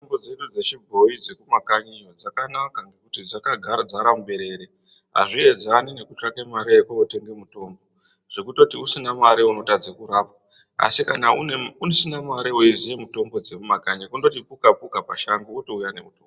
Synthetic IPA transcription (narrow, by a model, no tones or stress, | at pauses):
ʐimbo̞d͡ze̞ɗud͡ze̞t͡ʃibʱo̞id͡ze̞kumakaɲijod͡zakanakaŋɡekutid͡zakaɡʱad͡zaɾamuɓe̞ɾe̞ɾe | ɦa̰ʐie̞d͡zanine̞kut͡ʂakemaɾeekoote̞ŋɡe̞muto̞ːmbo̞ | ʐ̥e̞kuto̞tiusinamaɾeuno̞tad͡zekuɾaːpwa | a̰sikanauunosinamaɾeuizijemuto̞mbo̞d͡ze̞kumakaɲikundotipukapukapaʃaŋɡuutoujane̞̰utoɡ